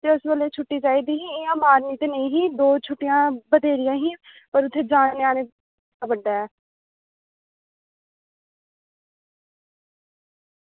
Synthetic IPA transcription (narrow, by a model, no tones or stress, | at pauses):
t̪eːʊsʋəleːt͡ʃʰʊʈːiːd͡ʒaːiːd̪iːɦiːɪãmaːɾniːt̪enəĩːɦĩːd̪oːt͡ʃʰʊʈːɪjãːbəd̪eːɾɪjãːɦiː | pəɾʊt̪ʰːeːd͡ʒaːeaːneː | aːbəɖːaːɛː